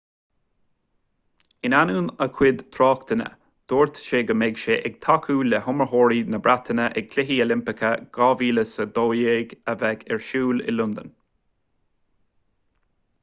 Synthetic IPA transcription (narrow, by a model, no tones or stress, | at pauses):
ɪnanuːnəkʰwɪd̪t̪ʰɾɑːkt̪ənə̰ | d̪̥oːɹt̪ʃeːɡəmɛɡʃeːʔɛɡ̚t̪ʰakʰuːlɛhʊməɹɦoːɹinəbɾat̪ʰənəʔɛɡ̚kʰlɪɦiːolɪmpɪkʰəɡ̥ɑːviːləsəd̪oːjeːɡəvɛɡɛɹʃuːlɪ̰lʊnd̪ən